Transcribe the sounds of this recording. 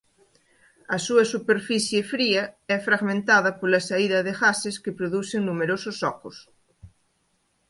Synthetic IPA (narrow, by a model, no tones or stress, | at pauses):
ɐsuɐsupeɾfiθjefɾiɐɛfɾaɣmẽnt̪aðɐpolɐsaiðɐðeɣaseskepɾoðuθeŋnumeɾososɔkos